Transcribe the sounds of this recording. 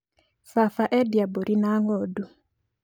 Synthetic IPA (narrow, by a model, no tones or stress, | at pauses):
fafaʔɛdjaboɾʔinaŋɔdu